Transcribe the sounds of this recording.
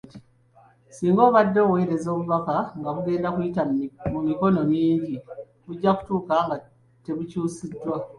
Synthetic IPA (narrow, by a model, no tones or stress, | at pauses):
siːŋɡo̞ːβadːo̞ːwe̞ːɾe̞zo̞ːβuβafaŋɡaβuɡe̞ːndakujitamumiko̞no̞miːɲɟi | βuɟːaku̥tuːkaŋɡa | te̞βucuːsidːwa